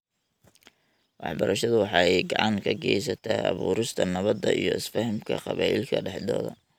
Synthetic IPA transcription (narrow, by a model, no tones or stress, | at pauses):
wɑħbɐɾʔɐʃɐðʊwɑħɑɛjɡɑʕɑŋkʰɐɡɛjsɐt̪ʰɐɑ̰βuːɾɪst̪ʰɐnɐβɐd̪ːɐʔijɔɪsfɐhɪmkʰɐqɑβaːʔɪlkʰɐɖɛħd̪ɔːðɐ